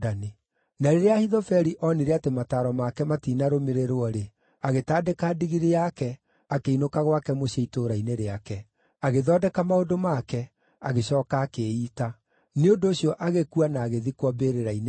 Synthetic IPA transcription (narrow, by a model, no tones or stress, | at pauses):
ane | naɾeɾeahiðɔfɛɾiʔɔniɾɛatemataːɾɔmakɛmatiːnaɾomeɾeɾwɔɾe | aɣetaːdɛkaːdiɣiɾeakɛ | akeinokaɣwakɛmoɕeitoɾaineɾeakɛ | aɣeðɔːdɛkamaodomakɛ | aɣeɕɔːkaːkeiːta | neondoːɕiɔʔaɣekuanaːɣeðikwɔbeɾeɾaine